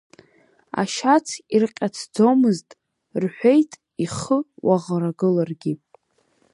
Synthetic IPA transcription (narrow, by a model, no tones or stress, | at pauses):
a̰ʃat͡sʰirqʲʼat͡sʰd͡zomɨztʼ | rħʷᶣe̞jtʼ | iχəwaʁɾaɡɨlarɡʲi